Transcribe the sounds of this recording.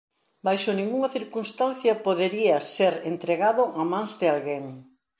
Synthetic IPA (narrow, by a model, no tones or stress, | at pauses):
bajʃonĩŋɡuŋɐθiɾkunst̪ãn̟θjɐpoðeɾiɐseɾent̪ɾeɣaðʊʔɐmãnzðɪalɣeŋ